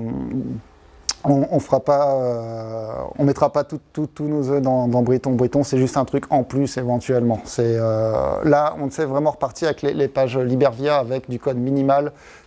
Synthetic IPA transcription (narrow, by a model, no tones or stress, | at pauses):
ɔ̃ɔ̃fəʁapaø | ɔ̃mɛt̪χapat̪ut̪ːut̪ːunozød̪ɑ̃d̪ɑ̃bʁit̪ɔ̃bʁit̪ɔ̃sɛʒyst̪ɛ̃t̪χykɑ̃plysevɑ̃t̪ɥɛlmɑ̃sɛølaɔ̃nsɛvʁɛmɑ̃ʁəpaʁt̪iʁavɛklelepaʒølibɛʁvjɛʁavɛkd̪ykɔd̪minimal